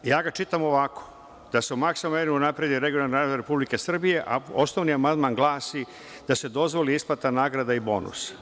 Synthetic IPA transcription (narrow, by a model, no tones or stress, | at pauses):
jaːɡat͡ʃit̪amo̞ʋakʰo̥ | d̪̥aseumaksomeniunapɾed̪iɾeɡionalniɾaɾe̞publike̞sr̩bije̞ʔa̰osnoʋniamand̪manɡlˠaːsi | d̪̥ase̞d̪o̞zʋo̞liisplat̪anaːɡɾad̪aibo̞̰nṵsḁ